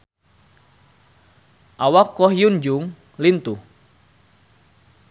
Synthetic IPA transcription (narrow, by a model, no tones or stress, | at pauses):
ʔawakːɔhjund͡ʒʊŋ | lint̪uh